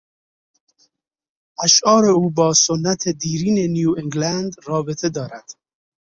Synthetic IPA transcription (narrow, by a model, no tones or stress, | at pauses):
aʃɒːɾeuːbɒːsonːæt̪ʰed̪iːɾiːnenjuːeŋɡlænd̪rɒːbet̪ʰed̪ɒːɾæd̪̥